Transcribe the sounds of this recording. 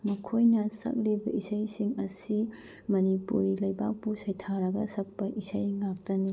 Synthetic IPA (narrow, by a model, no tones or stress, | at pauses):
mɐkʰojnɐsɐ̰k̚ɾibɐʔisɐjsiŋɐsi | mɐnipṵɾilɐjbak̚pusɐjtʰaɾɐɡɐsɐk̚pɐʔisɐjŋak̚tɐni